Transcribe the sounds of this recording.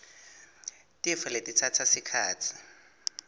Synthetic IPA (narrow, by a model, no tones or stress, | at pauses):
tʼiɛfaletʼit͡sʰatʰasikʰaːt͡sʰi̥